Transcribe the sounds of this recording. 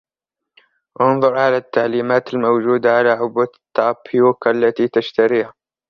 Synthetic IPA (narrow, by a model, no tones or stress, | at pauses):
ʔɑnðˤʊɾˤʕalat̪ːaʕliːmaːt̪ɪlmowd͡ʒuːd̪aʕalaʕʊbːat̪ːɑːpʰjuːkʔalːat̪iːt̪aʃt̪aɾiːha